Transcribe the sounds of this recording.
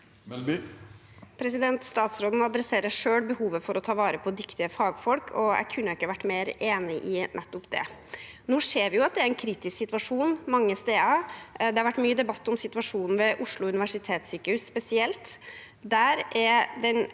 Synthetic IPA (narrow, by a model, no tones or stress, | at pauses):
pʰɾɛsɪd̪ɛnt̪st̪ɑːt̪sɾoːd̪n̩ɑd̪ɾɛseːɾəʂøːɽbəhuːʋəfɔɾʔɔt̪ʰɑːʋɑːɾəpʰɔd̪ʏkt̪ɪəfɑːɡfɔlkʰɔæ̰ɪkʰʉnːəɪkːəʋæʈːmeːɾeːnɪʔɪnʔɛt̪ːɔpd̪ɛ̰ | nuːʂeːɾʋɪjʊɑt̪̚d̪ɛæɾɛnkʰɾiːt̪ɪsksɪt̪ʋɑʂuːnmɑŋːəst̪eːɑd̪ɛhɑɾʋæʈːmyːəd̪ɛbɑt̪ːɔmsɪt̪ʋɑʂuːnn̩ʋɛʔʊʂɭʊʉnɪʋæʂɪt̪ʰeːt̪syːkəhʉsːpɛsɪɛlt̪ | d̪æɾɛd̪ɛn